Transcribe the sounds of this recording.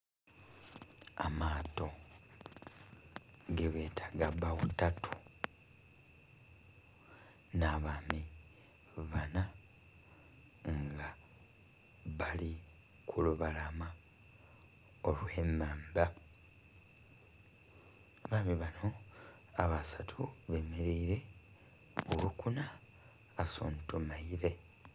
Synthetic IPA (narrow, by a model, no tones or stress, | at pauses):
amaːto̞ | ɡeβeːtʰḁɡabaβutatʰu̥ | naβaːmi | βana | ŋɡa | βali | kʰuluβalama | olwe̞ːmaːmba | βaːmiβano̞ | aβasatʰuβe̞meɾiːɾe̞ | βulukunaː | so̰ːntumaiɾe̞